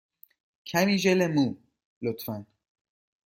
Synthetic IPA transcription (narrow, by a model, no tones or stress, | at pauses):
kʰæmiːʒelemuː | lot̪fæn